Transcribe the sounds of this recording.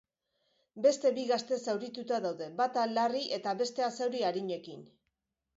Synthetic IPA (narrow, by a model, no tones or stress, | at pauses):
be̞st̪e̞βiɣast̪e̞sawɾit̪ut̪aðawðe̞bat̪alariʔe̞t̪aβe̞st̪e̞asewɾiaɾiɲe̞kin